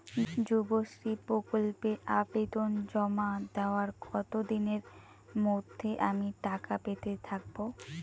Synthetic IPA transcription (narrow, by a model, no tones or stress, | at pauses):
d͡ʑuboʃɾipɾokolpeʔabed̪ond͡ʑɔmad̪eoaɾɡɔt̪od̪ineɾ | mod̪ʱːeʔamiʈakapet̪et̪ʰak̚bo